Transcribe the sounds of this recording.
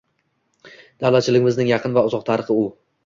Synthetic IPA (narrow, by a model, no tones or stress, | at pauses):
d̪̥awlat̪̚t͡ʃʰɪlɪɡʲɪmɪznɪŋjɑqʰɨnvaʊzɒq̚t̪ʰaɾɨχɨʊ